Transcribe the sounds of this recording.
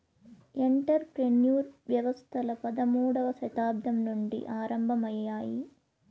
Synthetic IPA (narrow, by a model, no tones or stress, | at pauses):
eɳʈɐɾpɾenjuːɾʋjɐʋɐst̪ʰɐlɐpɐd̪ɐmuːɽɐʋɐsɐt̪aːb̚d̪ʱɐmnuɳɖḭʔaːɾɐmbʱɐmɐjːaːji